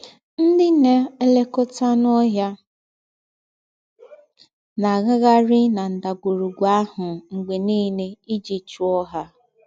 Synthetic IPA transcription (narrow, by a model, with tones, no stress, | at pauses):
n̩˦dɪ˦ne˦e˦le˦kʊ˦ta˦nɔ˦ɦja˦ | na˨ɣa˦ɣa˦ɾɪ˦na˨n̩˨da˨ɡʷu˨ɾu˨ɡʷa˦hʊ˨ŋ̩˨ɡ͡be˨niː˦ne˦i˦d͡ʒi˨t͡ʃu˦ɔ˦ɦa˦